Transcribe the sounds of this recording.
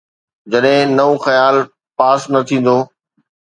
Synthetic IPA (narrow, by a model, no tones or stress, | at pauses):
d͡ʑɐɗɦɪ̃nɐõxɐjaːl | paːsnɐt̪ʰĩːn̆d̪oː